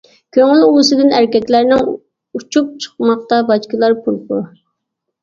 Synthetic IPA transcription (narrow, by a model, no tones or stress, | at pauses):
kʲʰøŋylulˠɨsɨd̪ɪnæɾkʲɛkʲlæɾnɪŋ | ut͡ʃʰup̚t͡ʃʰə̥q̚mɑq̚t̪ɑbɑt͡ʃkɨlˠɑɾpʰuɾˠpʊ